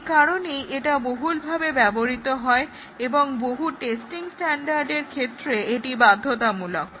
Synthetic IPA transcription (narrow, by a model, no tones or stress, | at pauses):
kaɾonejʔeʈaboɦulbʱabebɛboɾit̪oɦɔe | eboŋboɦuʈesʈiŋsʈɛɳɖaɾɖeɾkʰet̪ːɾeeʈibad̪ʱːot̪amulok